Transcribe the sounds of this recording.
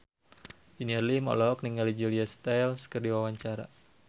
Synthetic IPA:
d͡ʒiniɛrlimɔ̰lɔk̚niŋalid͡ʒuliast̪alskərdiwawaɲt͡ʃaɾa̰

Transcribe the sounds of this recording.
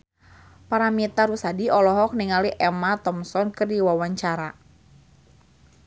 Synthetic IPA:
paɾamit̪aɾusadiʔɔlɔɦɔk̚niŋaliʔɛmat̪ɔmsɔnkɨrdiwawaɲt͡ʃaɾa

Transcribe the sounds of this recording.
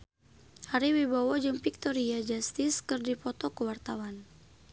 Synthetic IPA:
haɾiwibawad͡ʒəŋfik̚t̪ɔɾiad͡ʒast̪ɪskɨrdipɔt̪ɔkəwart̪awan

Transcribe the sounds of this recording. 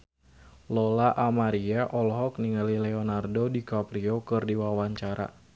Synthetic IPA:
lɔlaʔamaɾiaʔɔlɦɔkniŋalilɛɔnardodikapɾiokɨrdiwawaɲt͡ʃaɾa̰

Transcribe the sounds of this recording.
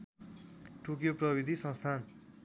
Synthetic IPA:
ʈʰukjoprʌbid̪ʱisʌ̃ŋst̪ʰan

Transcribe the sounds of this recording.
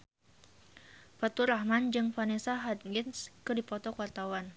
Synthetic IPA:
fat̪uɾahmand͡ʒɨŋfanesaɦad̪̚ɡɪnskɨdipɔt̪ɔkwart̪awan

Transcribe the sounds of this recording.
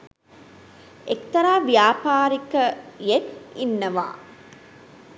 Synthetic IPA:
ekt̪ɐɾaːʋjaːpaːɾikɐjekinːɐʋa̰ː

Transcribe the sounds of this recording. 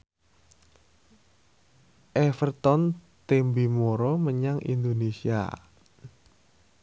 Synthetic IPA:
ʔɛfərt̪ɔn | t̪embimoɾoməɲaŋʔḭnd̪onesia̰

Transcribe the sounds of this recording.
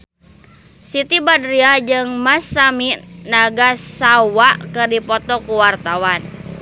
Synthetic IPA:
sit̪ibadɾiad͡ʒɨŋmasːaminaɡasawaʔkɨrdipɔt̪ɔkuwart̪awan

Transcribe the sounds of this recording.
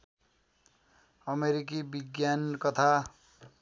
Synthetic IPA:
ʌmeɾik̬ibiɡjankʌt̪ʰa

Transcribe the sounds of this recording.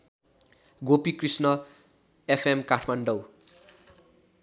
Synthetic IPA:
ɡopikrisnʌ | epʰemkaʈʰmaɳɖʌw

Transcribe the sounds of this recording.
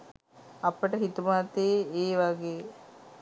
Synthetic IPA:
ɐpəʈəɦit̪umat̪eːeːʋaɡeː

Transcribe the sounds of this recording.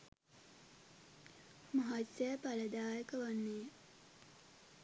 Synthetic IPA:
maɦasəjpaləd̪aːjəkəʋanːeː

